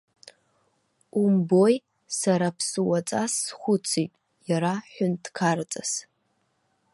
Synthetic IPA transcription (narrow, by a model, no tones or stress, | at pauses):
umboj | saɾapʰsɨwat͡sʼasːχʷʊt͡sʰitʼ | jaɾaħʷʊntkʰart͡sʼas